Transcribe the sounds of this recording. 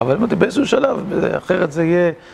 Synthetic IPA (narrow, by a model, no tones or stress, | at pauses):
avalimat̪ibeesuʃalavbezḛa̰χeʁet̪zeije